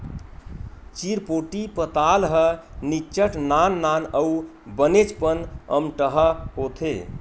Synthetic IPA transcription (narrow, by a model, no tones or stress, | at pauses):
t͡ʃiɾpoʈipət̪alɦənit͡ʃəʈnanːanəubənet͡ʃpənə̰mʈəɦəɦot̪ʰe